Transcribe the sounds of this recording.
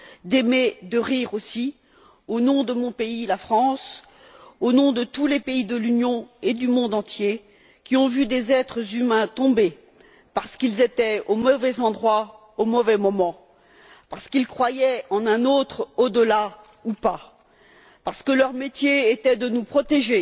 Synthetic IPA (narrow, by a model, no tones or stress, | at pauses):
d̪emed̪əʁiʁosi | onɔ̃d̪əmɔ̃peilafχɑ̃s | onɔ̃d̪ət̪ulepeid̪əlynjɔ̃ed̪ymɔ̃d̪ɑ̃t̪je | kʲiɔ̃vyd̪ezɛt̪χəzymɛ̃t̪ɔ̃be | paʁsə̥kilzet̪ɛomɔvɛzɑ̃d̪ʁwa | omɔvɛmɔmɑ̃ | paʁsə̥kilkχwajɛɑ̃nɛ̃not̪χod̪əla | upa | paʁsə̥kəlœʁmet̪jeet̪ɛd̪ənupχɔt̪eʒe